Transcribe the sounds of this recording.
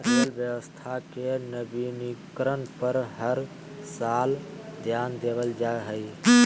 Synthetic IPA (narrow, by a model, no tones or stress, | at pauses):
əɾəlbjəwəst̪ʰakenəbinikɾənpəɾɦəɾ | sald̪ʱjand̪eβəld͡ʒaeɦəj